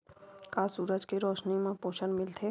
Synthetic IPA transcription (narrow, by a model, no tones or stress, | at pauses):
kaːsuːɾəd͡ʒkeɾɔːʃnimãpoːʃənmɪlt̪ʰe